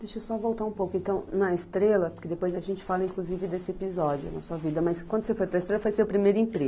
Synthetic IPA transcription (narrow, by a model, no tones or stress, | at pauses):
d̪eʃosɔvowt̪aũpowkʊẽnt̪ɐ̃w̃nɐest̪ɾelɐpoɾked̪epojzɐʒẽnt͡ʃɪ̥falɐĩkluzivɪd̪esɪepizɔd͡ʒʊ̰nɐ̰suɐvid̪ɐmɐskwɐ̃nd̪ʊsefojpɾɐest̪ɾelɐfojseʊpɾimejɾʊĩpɾeɡʊ